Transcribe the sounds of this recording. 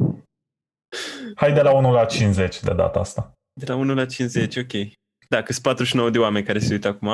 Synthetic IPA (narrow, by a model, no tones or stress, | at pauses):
hajd̪e̞launulat͡ʃinze̞t͡ʃʲd̪e̞d̪a̰t̪əa̰st̪a | d̪e̞launulat͡ʃinzet͡ʃʲo̞kʲe̞j | d̪akɨspat̪ɾuʃinowəd̪e̞oame̞nʲkaɾeseujt̪əakuma